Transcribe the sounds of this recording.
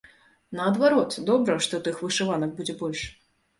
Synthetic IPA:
nɐɐd̪vaɾɔt̪d̪ɔbɾɐʂt̪ɔt̪ɨxvɨʂɨvanɐk̚bud͡zʲɛbɔlʲʂ

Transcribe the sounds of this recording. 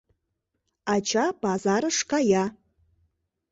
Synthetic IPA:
at͡ʃʰapazaɾɨʂkaja

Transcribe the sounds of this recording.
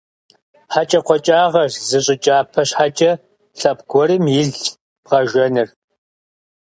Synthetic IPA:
ħat͡ʃʼɐqʷɔt͡ʃʼaːʁɐrzɨɕʼɪt͡ʃʼaːpʰɐɕħat͡ʃʼɐ | ɬɐpɡʷɔɾɨmjɪɮ | bʁɐʒɐnɨr

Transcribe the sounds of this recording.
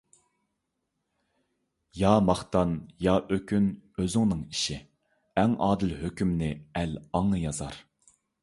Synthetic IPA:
jɑːmɑχt̪ɑnjɑːʔøkʲʰynøzɪŋnɨŋiʃi | ɛŋʔɑːd̪ɪlhøkʲymnɪɛlɑŋnɨjɑzɑɾ

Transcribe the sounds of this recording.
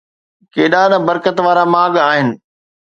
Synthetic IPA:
keːɗanɐbɐɾkət̪ʋaːɾamaːɠaːɦɪnɪ̆

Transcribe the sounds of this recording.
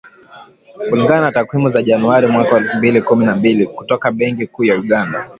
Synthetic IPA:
kuliŋɡananatakwimuzaʄanuaɾimwakawɛlfumbilikuminambiliku̥tɔkaɓɛŋkikuːjauɠanda

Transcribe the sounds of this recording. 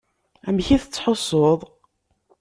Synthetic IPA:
æmçiθət͡sːħosˤːoðˤ

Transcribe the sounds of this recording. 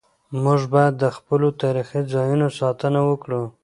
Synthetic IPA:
mʊʒbɑjad̪ːəxpəlot̪ɑɾixizɑjunosɑt̪ənawəkɽu

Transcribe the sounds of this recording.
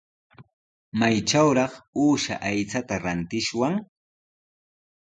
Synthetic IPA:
majt͡ʃawɾɑχuːʃa̰ʔajt͡sat̪aɾant̪ɪʃwaŋ

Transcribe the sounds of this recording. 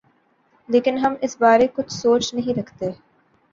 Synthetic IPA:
leːkɪnɦɐmɪsbaːɾekʊt͡ʃsoːt͡ʃnɐɦĩːɾɐkʰt̪eː

